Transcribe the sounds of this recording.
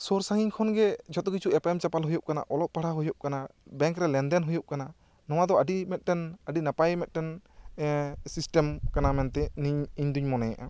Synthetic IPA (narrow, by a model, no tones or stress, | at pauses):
sɔɾsaŋiɲkʰɔnɡɛd͡ʒɔt̪ɔkit͡ʃʰuɛpɛmt͡ʃapalɦujɔp̚kana̰ʔɔlɔʔ̚paɽaɦujɔp̚kanabɛ̃ŋkɾɛlɛnd̪ɛnɦujɔp̚kana | nɔw̃ad̪ɔəɖimɛt̪̚ˀʈɛnəɖinapajmɛt̪̚ʈɛn | sisʈɛmkanamɛnt̪ɛniɲiɲd̪uɲmɔnɛja̰ʔa